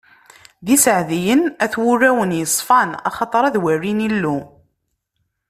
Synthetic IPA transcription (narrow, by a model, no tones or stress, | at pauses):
ðisəʕðijənæθwʊrːæwənjəsˤfɑnɑ̰χɑt̪ˤɾˤæðwærːinilːu